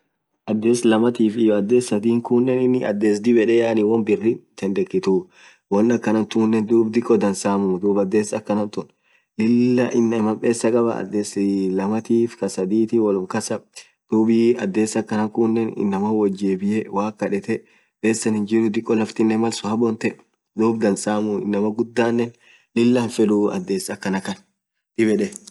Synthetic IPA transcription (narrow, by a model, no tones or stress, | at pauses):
ʔɐd̪ːe̞ːslɐmɐt̪iːfɪjɔɐd̪ːe̞ːsːɐd̪iːŋkuːnːɛnɪnːɪɐ̰d̪ːe̞ːs̬d̪ɪbɛᶑeːaːniwɔnbɪrːɪt̪ɛnd̪ɛkːɪt̪uː | wɔnːɐkːɐnɐnt̪uːnːɛnd̪uːbd̪ɪkʼːɔd̪ɐnsaːmʊmd̪uːbɐd̪ːe̞ːsɐkːɐnɐnt̪ʊn | lɪlːɐʔɪnːɐmɐmpʼe̞ːsːɐkʼɐbɐ̰ɐ̰d̪ːeːslɐmɐt̪iːfkɐsɐd̪iːt̪ɪwɐlʊŋkɐsɐ | d̪̥uːbɪɐd̪ːeːsːɐkːɐnɐŋkuːnːɛnɪ̰nːɐmɐwɔd͡ʒeːbɪjɛwaːkːɐᶑɛt̪ɛ | pʼe̞ːsːɐnhɪnd͡ʒɪɾʊd̪ɪkʼːɔlɐft̪ɪnːɛmɐlsʊhɐbɔnt̪ɛ | d̪uːbd̪ɐnsaːmʊɪ̰nːɐmɐɡʊd̪ːaːnːɛn | lɪlːɐnfɛᶑʊɐ̰d̪ːe̞ːsɐkːɐnɐkɐn | t̪ɪbɛᶑɛ